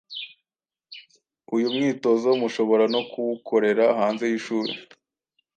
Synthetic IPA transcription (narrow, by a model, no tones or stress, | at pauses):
ujumŋiːto̞zoumuʃo̞βo̞ɾano̞kuwukʰo̞ɾe̞ɾaɦaːnze̞jiʃuːɾḛ